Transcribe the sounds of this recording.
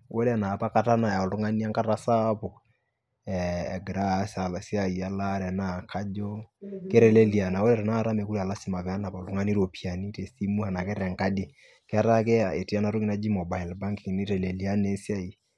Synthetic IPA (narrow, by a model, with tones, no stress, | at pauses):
wo˦la˨na˨pa˦ka˦ta˦na˨ja˨o˨ltʊ˦ŋa˦ni˦a˦ŋka˦ɾa˦sa˦pɔ˨ | ɛ˨ɡɾa˦sa˨lsa˨a˨la˦ɾɛ˨na˦˨kʰa˦d͡ʒɔ˦ke˦ɾɛ˨le˦li˨a˨na˨wo˦lɛ˦ɾɛ˨na˦˨ɾa˦me˨ku˦ɾi˦a˨la˦si˦ma˨vɛ˨a˦na˨pa˨tʊ˦ŋa˦ni˦ɾo˨pi˨a˨ni˦te˨si˦mu˦ha˨na˨kɛ˦ɾɛ˨ŋka˦di˨ | kɛ˦a˦ɾa˦ke˦a˨e˨ti˨a˦na˨ɾo˦ki˦na˦d͡ʒi˦mɔ˨ba˨ɪ˨lba˦ŋki˨ŋ˨ni˦ɾɛ˨le˨li˨a˦ne˦si˦a˦i˨